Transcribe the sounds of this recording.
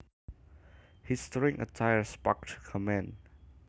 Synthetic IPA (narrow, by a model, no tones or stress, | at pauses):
histɹĩŋʔə̰tʰaɪəspɔktʰkʰəmɛ̃n